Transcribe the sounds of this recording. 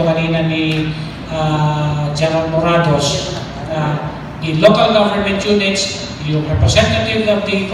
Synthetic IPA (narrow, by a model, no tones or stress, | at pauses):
ʊkaniːnani | a | d͡ʒaɾanmoɾad̪os | t̪a | nɪlokalɡovəɹmɛnt̪junɪt̪s | jʊŋɾɛpɾɛsɛnt̪at̪ɪvɐvd̪i